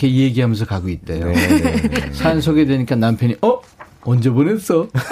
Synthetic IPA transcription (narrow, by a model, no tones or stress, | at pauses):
kʰeieɡiɦamjʌnsʰʌkaɡoit̚t͈ajo̰ | sʰansʰoɡedweɲik͈anampʰjʌɲiʔʌ | ʌnd͡ʑebones͈ʌ